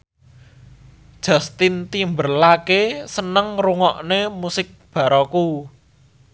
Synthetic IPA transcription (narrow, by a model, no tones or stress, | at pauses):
d̥ʒ̥a̤st̪int̪imbərlakesənəŋruŋɔʔnemusɪk̚b̥ä̤ɾɔku